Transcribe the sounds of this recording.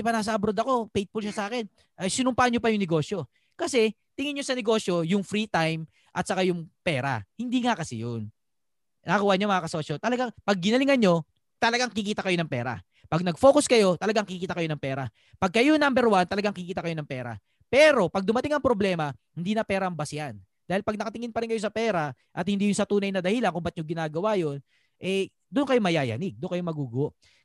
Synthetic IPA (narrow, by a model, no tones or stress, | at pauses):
pɐnaːs̬ɐʔɐbɾod̪ɐko̞pejt̪̚bʊlʃasɐʔaːkɛn | ʔɐjsɪnʊmpaʔɐnɲopɐjʊŋnɛɡo̞ːsjo̞ | kɐsɛ | t̪ɪŋɪnɲːo̞sɐnɛɡo̞ːsjo̞jʊŋfɾit̪ajm | ʔɐt̪̚sɐkajʊŋpɛːɾa̰hɪnd̪iŋakɐsɛ̰jon | akuwaɲomɐŋakɐsoʃot̪ɐlɐɡaŋpɐɡ̚ːɪnɐlɪŋɐnɲo̞ | t̪ɐlɐɡaŋɪkɪkiːt̪ɐkɐjo̞nɐŋpɛːɾa̰ | pɐɡ̚nɐɡ̚fo̞ːkʊskɐjo̞t̪ɐlɐɡaŋkɪkikiːt̪ɐkɐjo̞nɐŋpɛːɾa | pɐɡ̚kɐjo̞nambɛɾwant̪ɐlɐɡaŋkɪkiːt̪ɐkɐjo̞nɐŋpɛːɾa̰ | pɛːɾo̞pɐɡ̚d̪ʊmɐt̪ɪŋɐŋpɾo̞blɛːmɐ | hɪnd̪iːnɐpɛːɾɐmbɐsɪjan | d̪aːhɪlpɐɡ̚nɐkɐt̪ɪŋɪnpɐɾɪnkɐjo̞s̬ɐpɛːɾa | ʔɐt̪̚hɪnd̪iːjʊnsɐt̪uːnɐjnɐd̪ɐhiːlɐŋkʊmbɐt̪̚ɲoɡɪnaːɡɐwajo̞n | ʔɛ | d̪ʊnkɐjomɐjaːjɐ̰nɪɡ̚d̪ʊnkɐjomɐɡuːɡʊwoʔ